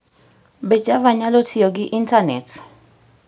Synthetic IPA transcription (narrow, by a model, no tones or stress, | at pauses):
ɓɛd͡ʒʼavaɲalotʰijɔk̬iʔintʰanɛtʰ